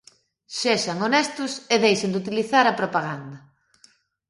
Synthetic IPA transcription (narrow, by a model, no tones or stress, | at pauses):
ʃɛsɐŋonɛst̪ʊseðejʃend̪ut̪iliθaɾɐpɾopaɣand̪ɐ